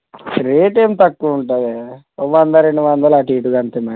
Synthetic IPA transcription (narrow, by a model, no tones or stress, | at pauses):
ɾeːʈeːmt̪ɐkːuʋuɳʈaːd̪e | oʋɐnd̪ɐɾeɳɖuʋɐnd̪ɐlaʈiːʈuɡɐnt̪emɐ